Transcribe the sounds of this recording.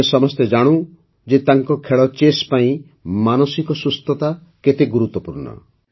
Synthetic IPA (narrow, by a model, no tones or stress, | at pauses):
esɔmɔst̪ed͡ʒaɽ̃ũ | d͡ʒet̪aŋkɔkʰeɭɔt͡ʃespaĩ | manɔsikɔsust̪ɔt̪a | ket̪eɡuɾut̪wɔpuɾɳɔ̰